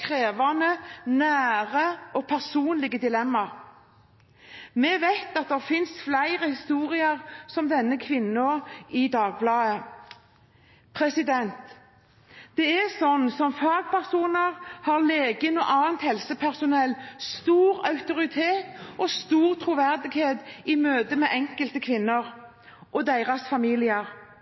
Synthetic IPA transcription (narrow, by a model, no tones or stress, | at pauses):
kʰʁeːʋɑnənæːʁəʔɔpʰæʁsuːnlɪɡəd̪ɪlɛmːɑʁ | mɛʋæɪt̪ɑt̪̚d̪ɛʁfɪnsflæɪʁəhɪst̪uːʁɪəʁsɔmd̪ɛnːəkʰʋɪnːəoːɪd̪ɑːɡ̚blɑːə | pʰʁɛsɪd̪ɛnt̪ | d̪̥ɛɛsɔnːsɔmfɑːɡ̚pʰæʁsuːnəʁhɑʁleːɡənɔʔɑːnt̪hɛlsəpʰæʁsʊnɛlːst̪uːɾɑʉt̪ʊʁɪt̪ʰeːt̪ɔst̪uːʁt̪ʰɾuʋæʁd̪ɪɡheːd̪ɪmøːd̪əmɛʔɛŋkəlt̪əkʰʋɪnːəʁ | ʔɔd̪æɪʁɑsfɑmiːlɪəɾ